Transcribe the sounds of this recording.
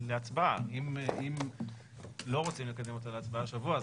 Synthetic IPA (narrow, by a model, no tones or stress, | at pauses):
leat͡sbaa̰imʔim | lo̞ʁot͡simle̞kad̪emo̞t̪aleat͡sbaaʃavua